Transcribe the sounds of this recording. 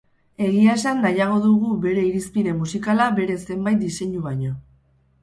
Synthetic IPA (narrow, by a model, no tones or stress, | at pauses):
e̞ɣiaesanːajaɣ̞o̞ðuɣ̞uβe̞ɾe̞iɾispiɾe̞mːusikalaβe̞ɾe̞se̞mbajt̪̚d̪ise̞ɲuβaɲo̞